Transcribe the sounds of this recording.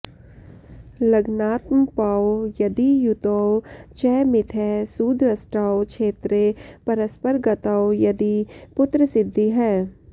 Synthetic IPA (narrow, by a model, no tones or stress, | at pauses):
lɐɡnaːt̪məpaːwojɐd̪ijʊt̪owt͡ʃɛːmɪt̪ʰɛːsuːd̪ɾəsʈaːokʃʰeːt̪ɾepɐɾəspəɾɡət̪aːwjɐd̪ipʊt̪ɾəsɪd̪ʱːiɦɛː